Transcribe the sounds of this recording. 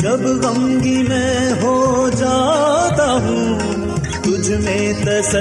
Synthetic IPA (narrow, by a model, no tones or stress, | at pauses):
d͡ʒɐbɣɐ̃ŋɡimɛ̃ːɦod͡ʒaːt̪aːɦũː | t̪ʊd͡ʒʱmẽ | t̪ɐsɐ